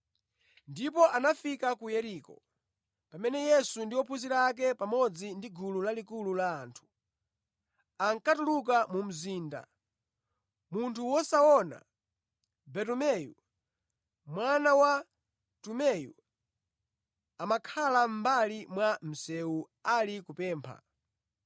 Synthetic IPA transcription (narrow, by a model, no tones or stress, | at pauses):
ndipɔʔanafikakujɛɾiːkɔ̰ | pamɛnɛjɛsundiwɔpʰuziɾak̬ɛpamɔd͡zindiɡululalikululaːntʰu̥ | aŋkatuluk̬amum̩ziːnda̰ | muntʰuwɔsaɔna̰ | bɛtumɛjṵ | mwanawa | tumɛjṵ | amakʰalam̩balimwam̩sɛu | alikupɛːmpʰa̰